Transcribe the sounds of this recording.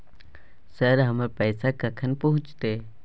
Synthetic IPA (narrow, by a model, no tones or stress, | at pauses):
səɾɦəməɾpəjsakəkʰənpəɦʊ̃t͡ʃt̪e